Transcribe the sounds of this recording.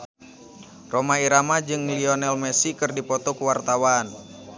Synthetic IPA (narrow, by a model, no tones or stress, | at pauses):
romaiɾamad͡ʒɨŋmliɔnɛlmɛsikɨrdipɔt̪ɔkəwart̪awan